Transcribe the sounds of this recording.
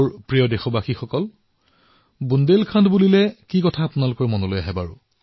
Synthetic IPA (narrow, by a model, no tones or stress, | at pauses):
ɹpɹijɔdɛxɔbaxixɔkɔl | bundelkʰandbulilɛkikɔtʰaːpʊnalʊkɔɹmɔnɔlojaɦɛba̰ɹʊ̰